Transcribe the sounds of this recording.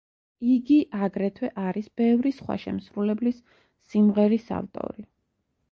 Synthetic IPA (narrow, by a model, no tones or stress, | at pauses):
iɡiʔaɡɾɛt̪ʰwɛʔaɾisb̥ɛvɾisχwa̰ʃɛ̰msɾulɛblisː | imʁɛɾisa̰lt̪ʼɔ̰ɾi